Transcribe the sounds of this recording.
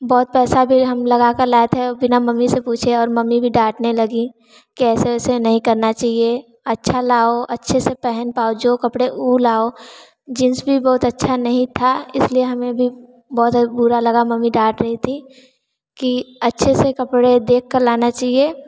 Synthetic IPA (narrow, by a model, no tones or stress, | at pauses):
bɔːt̪̚pɛːsabʱiɦɐmlɐɡakəɾlaːet̪ʰɦebɪnamɐmːisepuːt͡ʃʰeɔːɾmɐmːibʱiɖaːʈnelɐɡi | kɛːseːsenɐɦĩkɐɾnat͡ʃaːɦie | ɐtːʃʰalaːoʔɐtːʃʰesepɛɦənpaːod͡ʒokɐpɽeʔulaːo | d͡ʒɪnsbʱibɔːʊt̪ətːʃʰanɐɦĩt̪ʰaɪslieɦɐmẽbʱi | bɔːt̪buːɾalɐɡamɐmːiɖaːʈɾɐɦit̪ʰi | kiɐtːʃʰesekɐpɽed̪eːk̚ʰːəɾlaːnat͡ʃaːɦie